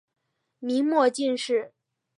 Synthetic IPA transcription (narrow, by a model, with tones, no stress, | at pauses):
mi˧˥ŋmwɔ˥˧t͡ɕi˥˧nʂɻ̩˥˩